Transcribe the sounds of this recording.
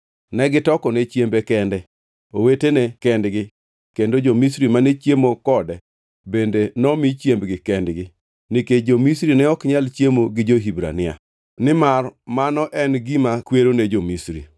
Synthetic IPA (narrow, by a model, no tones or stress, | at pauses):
nɛɡɪtɔkɔnet͡ʃjembekɛndɛ | owetenekɛndɡɪ | kendod͡ʒomisɾimanet͡ʃjemokɔdɛ | bendenɔmit͡ʃjembɡɪkɛndɡɪ | niked͡ʒomisɾinɛɔkɲalt͡ʃjemoɡɪd͡ʒoɦibɾa̰nɪa̰ | nɪmarmanɔʔɛnɡimakweɾoned͡ʒomisɾḭ